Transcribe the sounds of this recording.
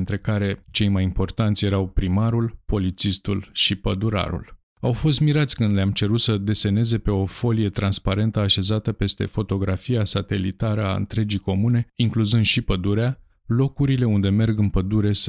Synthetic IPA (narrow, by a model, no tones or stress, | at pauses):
nt̪ɾe̞kaɾe̞t͡ʃe̞jmajimpo̞rt̪ant̪sʲje̞ɾawpɾimaɾulpo̞lit̪sist̪ulʃipəd̪uɾa̰ɾṵl | awfo̞s̬t̪miɾat̪sʲkɨnd̪leamt͡ʃe̞ɾut̪səd̪e̞se̞ne̞ze̞pe̞o̞fo̞lije̞t̪ɾanspaɾe̞nt̪əaʃe̞zat̪əpe̞st̪e̞̰fo̞t̪o̞ɡɾafijasat̪e̞lḭt̪aɾəa̰ɨ̰nt̪ɾe̞d͡ʒijko̞mune̞iŋkluzɨnd̪ʃipəd̪uɾea | lo̞kuɾile̞und̪e̞me̞rɡɨnpəd̪uɾe̞s